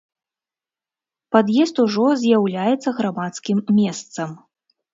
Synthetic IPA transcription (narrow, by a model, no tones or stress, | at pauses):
pad̪jɛst̪uʐɔzʲjawlʲajɛt̪sːɐɣɾamat̪skʲimːʲɛst̪sɐm